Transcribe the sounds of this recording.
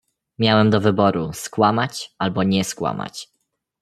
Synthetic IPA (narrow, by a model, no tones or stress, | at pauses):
mʲjawɛmd̪ɔvɘbɔɾuskwamat͡ɕalbɔɲɛskwa̰ma̰t͡ɕ